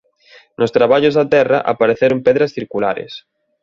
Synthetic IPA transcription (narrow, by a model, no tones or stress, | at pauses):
nost̪ɾaβ̞aʎozðat̪ɛra̰ʔa̰paɾeθeɾompeðɾasθiɾkula̰ɾḛs